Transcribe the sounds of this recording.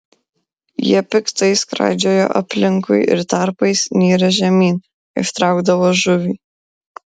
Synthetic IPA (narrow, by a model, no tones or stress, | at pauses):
jiɛpʲɪkt̪ɐɪskɾɑ̰ˑɪd͡ʒʲoːjo̰ːʔɐ̰pʲlʲɪŋkʊ̰ɪɪ̰ɾt̪ɐɾpɐɪsnʲiːɾɐʒʲɛmʲiːn | ɪ̰ʃt̪ɾɑˑʊɡd̪ɐʋoːʒʊʋʲiː